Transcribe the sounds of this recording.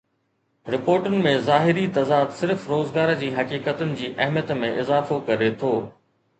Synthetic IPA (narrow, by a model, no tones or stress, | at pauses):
ɾɪpoːɾʈʊnɪ̆mẽzaːɦɪɾit̪ɐzaːd̪sɪɾfɾoːzɡaːɾd͡ʑiːɦɐkiːkət̪ʊnɪ̆d͡ʑiːʔɐɦmijət̪mẽʔɪzaːfokɐɾet̪ʰoː